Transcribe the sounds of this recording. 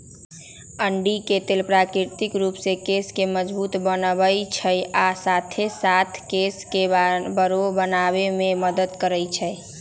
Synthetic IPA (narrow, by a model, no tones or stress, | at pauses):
əɳɖiket̪elpɾakɾiɾt̪ikɾupsekeskeməd͡ʒbut̪bənəbəjt͡ʃʰəjasat̪ʰesat̪ʰkeskebəɾobənabememəd̪əd̪kəɾəjt͡ʃʰəj